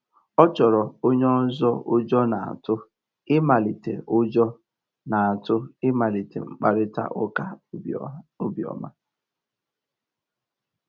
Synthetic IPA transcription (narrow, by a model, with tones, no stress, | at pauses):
ɔ˦t͡ʃɔ˨ɾɔ˨o˦ɲɔ˦zɔ˦ʊ˦d͡ʒɔ˦na˨a̰˨tʊ˦ | ɪ˦ma˨li˨tḛ˨ʔʊ˦d͡ʒɔ˦ | na˨a˨tʊ˦ɪ˦ma˨li˨tḛ˨ŋ͡m̩˨k͡pa˦ɾɪ˦ta̰˦ʔʊ˦ka˦ | ʊ˦bjɔ̰˨ma̰˦